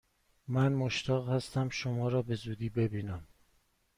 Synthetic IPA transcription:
mænmoʃt̪ʰɒːɣhæst̪æmʃomɒːɾɒːbe̞zuːd̪iːbe̞biːnæm

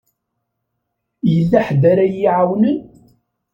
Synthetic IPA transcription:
jəlːaħd̪aɾajiʕawnən

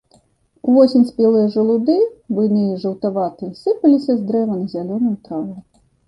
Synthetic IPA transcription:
uvɔsʲɛnʲsʲpʲɛlˠɨjɐʐɐlˠud̪ɨvɨnɨjiʐɐwt̪avat̪ɨsɨpɐlʲisʲɐzd̪ɾɛvɐnɐzʲalʲɔnɐjut̪ɾavɐj

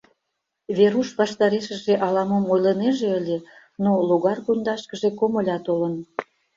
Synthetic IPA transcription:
βeɾuʃβɑʃt̪ɑɾeʃə̆ʒeʔɑlɑmomojləneʒeəlʲe | noluɣɑrkond̪ɑʃkəʒekomə̆lʲɑt̪olən

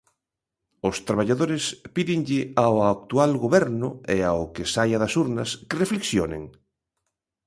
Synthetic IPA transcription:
ʊst̪ɾaβ̞aʎaðoɾɪspiðɪŋʎɪawak̚t̪ualɣoβɛɾnʊeaʊkɪsajɐðɐsuɾnɐskɪrefleksjonḛŋ

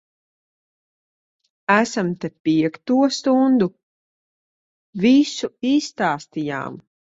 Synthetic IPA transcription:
æsamt̪ɛpiɛkt̪uɔst̪und̪u | visuiːsːt̪aːst̪ija̰ːm

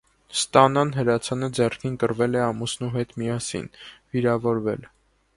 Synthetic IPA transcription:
st̪ɑnɑnɦəɾɑt͡sʰɑnəd͡zɛrkʰinkəɾvɛlɛɑmusnuɦɛt̪mijɑsḭnviɾɑvɔɾvɛ̰l

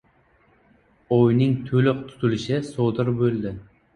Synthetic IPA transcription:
ojnɪŋt̪ʰɵlɪq̚t̪ʰʊ̥t̪ʊlɪʃɪsod̪ɪɾbɵlˠd̪ɪ

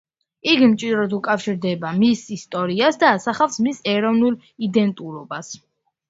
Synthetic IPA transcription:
iɡmt͡ʃʼid̪ɾɔd̪ukʼafʃiɾd̪ɛbamisist̪ʼɔɾiasd̪aːsaχafsmisɛɾɔvnulˠ | id̪ɛnt̪ʼuɾɔbas

